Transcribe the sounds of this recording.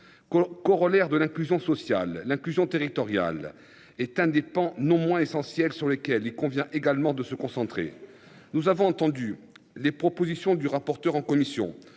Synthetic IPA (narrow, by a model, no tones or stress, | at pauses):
kɔʁɔlɛʁd̪əlɛ̃klyzjɔ̃sɔsjalːɛ̃klyzjɔ̃t̪eʁit̪ɔʁja̰l | ɛt̪ɛ̃d̪epɑ̃nɔ̃mwɛ̃esɑ̃sjɛlsyʁlekʲɛlilkɔ̃vjɛ̃ʔeɡalmɑ̃d̪əsəkɔ̃sɑ̃t̪χḛ | nuzavɔ̃ɑ̃t̪ɑ̃d̪y | lepχɔpozisjɔ̃d̪yʁapɔʁt̪œʁɑ̃kɔmisjɔ̰̃